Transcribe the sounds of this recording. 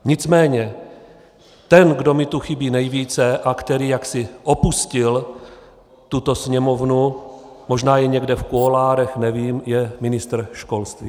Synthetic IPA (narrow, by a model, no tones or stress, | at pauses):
ɲɪt͡smɛːɲɛ | t̪ɛnɡdo̞mɪt̪uxɪbiːnɛjviːt͡sɛʔakt̪ɛɾiːjaksɪʔopuscɪl | t̪ut̪o̞sɲɛmo̞vnu | mo̞ʒnaːjɛɲɛɡdɛfkuolaːɾɛxnɛviːmjɛmɪnɪst̪r̩ʃko̞lst̪viː